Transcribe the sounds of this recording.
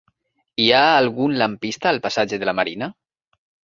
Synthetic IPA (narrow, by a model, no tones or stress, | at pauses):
iaːlˠɣunlampist̪aːlpasad͡ʒeðelamaɾina